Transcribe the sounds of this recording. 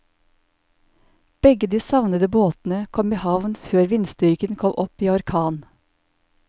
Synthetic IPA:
b̥ɛɡəd̪iːsɑʋnəd̪əboːt̪n̩əkʰɔmiːhɑʋnføːɾʋɪnst̪ʏɾkənkʰɔmʔɔpiːɔɾkʰɑːn

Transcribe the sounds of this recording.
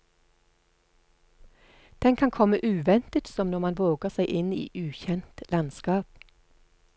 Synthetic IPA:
d̪̥ɛŋkʰɑŋkʰɔməʔʉːʋɛnt̪ət̪sɔmnɔʁmɑnʋoːɡəʁsæɪʔɪnḭːʔʉːçɛnt̪lɑnskɑːp

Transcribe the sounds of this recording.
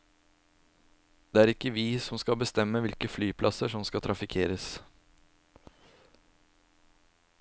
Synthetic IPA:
d̪̥eːæːɾɪkːəʋiːsɔmskɑbəst̪ɛmːəʋɪlkəflyːpʰlʔɑsəʂɔmskɑt̪ʰɾɑfɪkʰeːɾəs

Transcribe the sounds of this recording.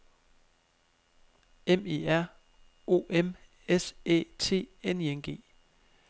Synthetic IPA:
eme̝̰ːæɐ̰ | o̝ːʔem | esḛːt͡sʰe̝̰ːenienɡ̥e̝̰ː

